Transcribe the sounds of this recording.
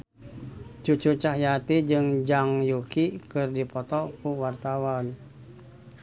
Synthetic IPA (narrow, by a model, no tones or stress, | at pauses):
t͡ʃut͡ʃut͡ʃahjat̪id͡ʒɨŋd͡ʒaŋjukikɨrdipɔt̪ɔkuwart̪awan